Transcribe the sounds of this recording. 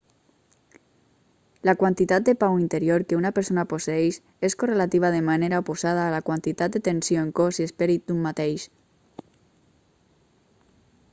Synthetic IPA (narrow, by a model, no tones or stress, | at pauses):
lakwant̪it̪at̪̚d̪epawint̪eɾjoɾkeunapeɾsonaposeejʃ | eskorelat̪iβ̞aðemaneɾaoposað̞aːlakwant̪it̪at̪̚d̪et̪ensjoeŋkosiespeɾit̪̚d̪umːat̪ejʃ